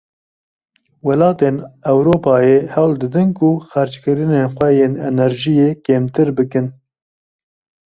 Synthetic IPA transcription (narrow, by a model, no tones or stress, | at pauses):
wɐlɑːt̪enɛwɾoːpɑːjehɛwld̪ɨd̪ɨnkʊxæɾt͡ʃkɨɾɨneːnxʷwɛjeːnɛnɛɾʒijeːkeːmt̪ɨɾbɨkɨn